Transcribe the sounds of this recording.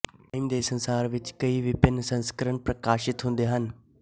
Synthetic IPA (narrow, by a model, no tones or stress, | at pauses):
aimd̪eːsɐ̃nsaːɾʋɪt͡ʃkɐiʋɪpɪnsɐ̃nskəɾənpɾɐkaːʃɪt̪ɦũːn̆d̪eɦənɪ̆